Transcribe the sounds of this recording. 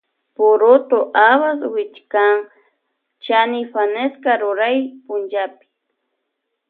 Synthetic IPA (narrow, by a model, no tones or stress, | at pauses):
pʊɾʊt̪oʔaβaswɪt͡ʃkaŋ | t͡ʃanɪfaneskaɾʊɾajpʊnd͡ʒapɪ̥